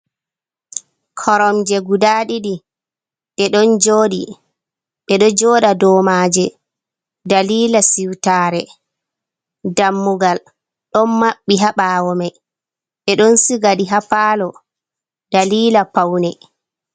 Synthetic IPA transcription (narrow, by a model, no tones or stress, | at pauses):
kʰɔɾɔmd͡ʒɛɡudaːɗiɗi | ɓɛɗɔnd͡ʒoːɗḭ | ɓɛɗɔd͡ʒɔːɗadɔːmaːd͡ʒɛ | daliːlasiwtaːɾɛ | damːuɡal | ɗɔnmaɓːiɦaɓaːwɔmaj | ɓɛɗɔnsiɡaɗiɦapaːlɔ | d̥aliːlapawnɛ